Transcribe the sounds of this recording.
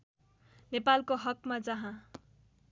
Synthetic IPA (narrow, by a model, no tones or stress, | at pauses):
nepalkoɦʌkmad͡zʌɦã